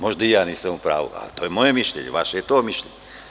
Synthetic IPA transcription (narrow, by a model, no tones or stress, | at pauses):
mɔʒd̪ijanisɛmupɾa̰ːʋṵa̰t̪ɔjɛmɔjɛmiʃlɛ̰ɲɛ̰ʋaʃɛjɛt̪ɔmiʃlɛɲɛ